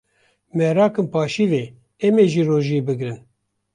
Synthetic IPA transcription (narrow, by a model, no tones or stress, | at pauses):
mɛɾɑːkɨmpɑːʃiveː | ɛmeːʒiːroːʒiebɨɡɾɨn